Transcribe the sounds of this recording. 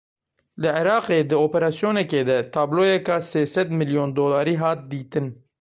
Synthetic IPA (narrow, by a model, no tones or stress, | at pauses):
lɪʕeɾɑːqeːd̪ɨoːpɛɾɑːsijoːnɛkeːd̪ɛt̪ʰɑːbloːjɛkɑːseːsɛd̪mɪljoːnd̪oːlɑːɾiːɦɑːt̪̚d̪iːt̪ɨn